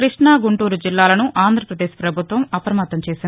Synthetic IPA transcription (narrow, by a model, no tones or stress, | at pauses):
ɾiʂɳaːɡuɳʈuːɾud͡ʒilːaːlɐnuʔaːnd̪ʱɾɐpɾɐd̪eːʃpɾɐbʱut̪ʋɐmɐpɐɾɐmɐt̪ːɐmt͡ʃeːsin